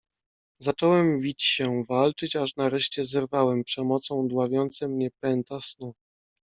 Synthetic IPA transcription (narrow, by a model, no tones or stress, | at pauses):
zat͡ʂɔwɛmvʲit͡ɕɕɛvalt͡ʂɘt͡ɕaʂnaɾɛʂt͡ɕɛzɛɾvawɛmpʂɛmɔt̪sɔ̃w̃d̪wavʲjɔnt̪sɛmɲɛpɛnt̪asnu